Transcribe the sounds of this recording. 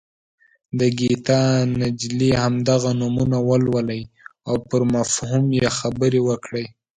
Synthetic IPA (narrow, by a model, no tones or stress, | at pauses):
d̪əɡit̪ɑnad͡ʒlihamd̪aɣanumunawəlwələj | awpəɾmafhumjexabəɾewəkɽəj